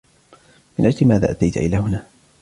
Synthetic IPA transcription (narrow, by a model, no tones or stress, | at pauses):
mɪnʔad͡ʒlɪmaːða̰ːʔat̪ajt̪aʔɪ̰laːhʊnaː